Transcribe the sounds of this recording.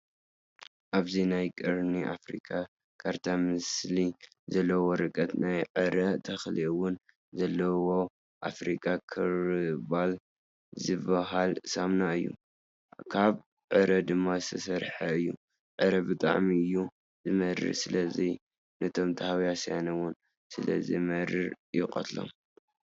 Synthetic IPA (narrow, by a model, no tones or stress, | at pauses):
ʔaβzinajkʼɨɾniʔa̰fɾḭkʼa | kʰaɾt̪ʰamɨsli | zɐlːɐwoɾɨkʼɐt̪najʕɨɾɐt̪ʰɐxliwʊn | zɐlːɐwo̞ | ʔafɾikʼakʰɨɾbal | zɨβɐɦalsamnaɨjːṵ | kʰaβ | ʕɨɾɐd̪ɨmːaɨ̥t̪ʰɐsɐɾħaɨjːu | ʕɨɾɐbɨt̪ʼa̰ʕmiɨjːu | zɨmɐɾɨ̰sɨlɐzi | nɐt̪ʰo̞mt̪ʰɐhawjasja̰nɐwʊn | sɨlɐ̰zḭmɐɾɨɾ | jɪqʼɐ̰t̪ʰlo̰m